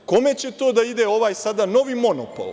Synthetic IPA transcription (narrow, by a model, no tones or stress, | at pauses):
ko̞me̞t͡ɕe̞t̪oːd̪aid̪eo̞ʋaːjsad̪ano̞ʋimo̞nopo̰lˠ